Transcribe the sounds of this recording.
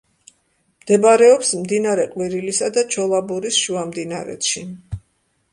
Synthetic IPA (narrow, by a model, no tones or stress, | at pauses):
md̪̥ɛbaɾɛɔpsmd̪inaɾɛqʼwiɾilisad̪at͡ʃʰɔlˠabuɾisʃuamd̪inaɾɛ̰t̪ʃi